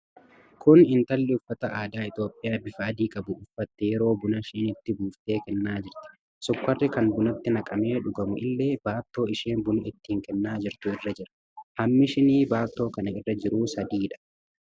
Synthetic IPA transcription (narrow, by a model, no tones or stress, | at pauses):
kʰʊnɪnt̪ɐlːɪʊfːɐt̪ɐʔaːd̪aːɪt̪oːpʼːɪjaːbɪfɐːd̪iːkʼɐbʊʔʊfːɐt̪ːɛjɛɾo̞ːbʊnɐʃɪːnɪt̪ːɪbuːft̪e̞ːkɛnːaːd͡ʒɪɾt̪ɪ̥ | sɔkːɐrːɪkɐnbʊnɐt̪ːɪnɐkʼɐme̞ːᶑʊɡɐmʊʔɪlːe̞ːb̥aːt̪ːo̞ːɪʃeːnbʊnʊɪt̪ːiːŋkɛnːaːd͡ʒɪɾt̪ʊɪrːɐd͡ʒɪɾɐ̥ | hɐmːɪʃɪniːbaːt̪ːo̞ːkɐnɐɪrːɐd͡ʒɪɾuːsɐd̪iːᶑɐ̥